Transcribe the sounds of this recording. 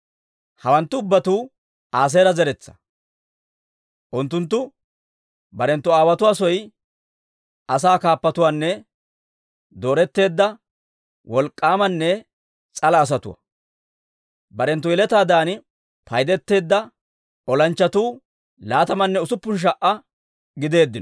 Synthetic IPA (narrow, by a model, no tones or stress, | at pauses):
hɐwɐnt̪ːʊʊbːɐt̪uː | aːs̬eːɾɐzɛɾɛt͡sːɐ̥ | ʔʊnt̪ːʊnt̪̬ːʊ | bɐɾɛnt̪ːɔaːwɐt̪ʊwaːsɔj | ʔɐsaːkaːpːɐt̪ʊwaːnːɛ | d̪o̞ːɾɛt̪ːe̞ːd̪ːɐ | wɔlkʼːaːmɐnːɛ | t͡sʼɐlɐːs̬ɐt̪ʊ̰wɐ̰ | bɐɾɛnt̪ːɔjɪlɛt̪aːd̪aːn | pɐjd̪ɛt̪ːe̞ːd̪ːɐ | ʔɔlɐnt͡ʃːɐt̪uː | laːt̪ɐmɐnːɛʊsʊpːʊnʃ̬ɐʔɐ | ɡɪd̪e̞ːd̪ːɪnɔ